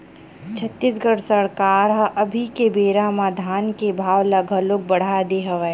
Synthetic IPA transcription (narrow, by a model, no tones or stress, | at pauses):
t͡ʃʰɐt̪ːisɡəɽsɐɽkaːɾɦɐʔɐbʱikebeːɾamaːd̪ʱaːnkebʱaːwlɐɡʱəlʊk̚bɐɽ̤ad̪eɦɐʋə